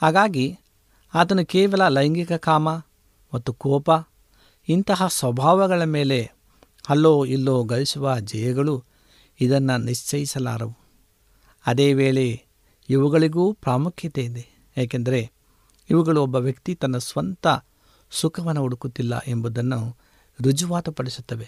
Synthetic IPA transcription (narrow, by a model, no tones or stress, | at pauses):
haːɡaːɡi | aːt̪ɐnukɛːʋɐlɐlɐjɐŋɡikɐkaːmɐ | mɐt̪ːukɔːpɐ | int̪ɐɦɐsʋɐbʱaːʋɐɡɐɭɐmeːle̞ | hɐlːoːilːoːɡɐlisuʋɐd͡ʒɐjɐɡɐɭu | id̪ɐnːɐniʂt͡ʃɐjisɐla̰ːɾɐʋu | ɐd̪eːʋeːɭe̞ | iʋuɡɐɭiɡuːpɾaːmukʰjɐt̪eːnd̪e | eːk̬end̪ɐɾe̞ | iʋuɡɐɭuɔbːɐʋjɐkt̪it̪ɐnːɐsʋɐnt̪ɐ | sukʰɐʋɐnːɐuɽukut̪ːilːɐ̰ʔe̞mbud̪ɐnːu | ɾud͡ʒuʋaːt̪ɐpɐɽisut̪ːɐʋe̞